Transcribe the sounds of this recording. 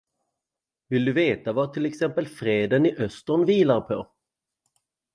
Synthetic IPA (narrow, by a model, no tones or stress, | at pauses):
vɪld̪ɵveːt̪avat̪ʰɪlɛksɛmpəlfɾeːd̪ənɪʔœst̪əɳviːlaɾpʰɔ